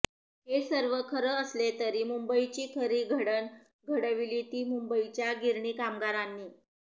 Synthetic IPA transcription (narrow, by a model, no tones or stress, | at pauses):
ɦesəɾʋəkʰəɾəəslet̪əɾiːmumbəit͡ɕiːkʰəɾiːɡʱəɽən | ɡʱəɽəʋiliːt̪iːmumbəit͡ɕjaɡʱiɾɳiːkamɡaɾanːiː